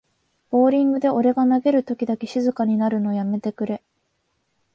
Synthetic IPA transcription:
b̥o̞ːɾʲĩŋɡɯ̟d̪e̞o̞ɾe̞ɡanaɡe̞ɾɯ̟t̪o̞kʲid̪ake̞ɕizɨkaɲ̟inaɾɯ̟no̞ːjame̞t̪e̞kɯ̟ɾe̞

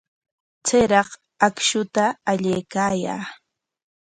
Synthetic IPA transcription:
t͡seɾɑq | akʃʊt̪aːʎejkaːja̰ː

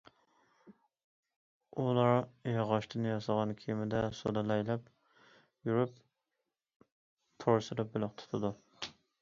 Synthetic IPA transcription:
ulˠɑɾjɑʁɑʃt̪ʰɪnɪjɑsɑʁɑnkʲʰemɪd̪ɛso̰d̪ɑlɛjlɛp | juɾyp | t̪ʰoɾsɨɾɪp̚bolˠɪqt̪ʰʊ̥t̪ʰɨd̪u

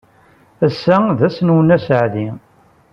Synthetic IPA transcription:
æsːæðæsnwənæsəʕði

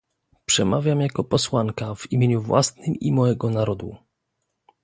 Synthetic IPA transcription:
pʂɛmavʲjamjakɔpɔswaŋkavimʲjeɲuvwa̰snɘmimɔjɛɡɔnaɾɔd̪ṵ

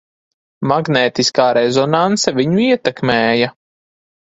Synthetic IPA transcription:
maɡnɛːt̪iskaːɾɛzɔnant̪sɛviɲuiɛt̪ɛkmɛːja

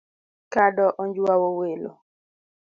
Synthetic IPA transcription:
kadɔʔɔnd͡ʒwawowelo̰

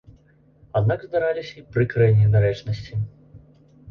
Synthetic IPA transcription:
ad̪naɡzd̪aɾalʲisʲɐipɾɨkɾɛnʲɛd̪aɾɛt͡ʂnɐsʲt͡sʲi

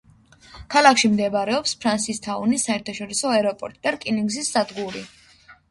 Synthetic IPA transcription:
kʰalˠakʰʃimd̪ɛbaɾɛɔpspʰɾansist̪ʰaunisːaɛɾt̪ʰaʃɔɾisɔaɾɔpʼɔɾt̪ʼid̪akʼiniŋɡzisːad̪ɡuɾi

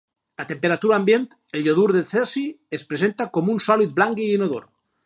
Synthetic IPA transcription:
at̪empeɾat̪uɾaːmbjent̪ | elʎoðuɾðeθesiespɾesent̪akomunsɔlit̪̚blaŋɡiːnoðoɾ

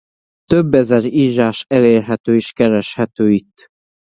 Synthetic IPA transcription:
t̪øbːɛzɛɾiːʒaːʃɛleːrɦɛt̪øːiʃkɛɾɛʃhɛt̪øːit̪ː

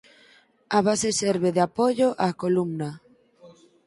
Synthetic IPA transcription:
aβasesɛɾβeðɪapoʝoʔakolumna

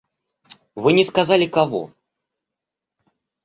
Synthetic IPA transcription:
vɨnʲɛskazalʲɪkavɔ̰

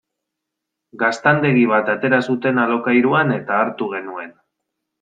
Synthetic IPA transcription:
ɡast̪and̪e̞ɣiβ̞at̪at̪e̞ɾasut̪e̞nalo̞kajɾuane̞t̪aːɾt̪uɣe̞nue̞n

